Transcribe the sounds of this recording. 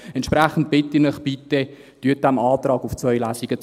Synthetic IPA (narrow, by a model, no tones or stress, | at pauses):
ɛntʃpɾæχən̩t̚b̥ɪtːinəχbitə | tyət̚dæmɑːt̪rɑːɡuft͡svœʏlæːsiɡ̥ət͡s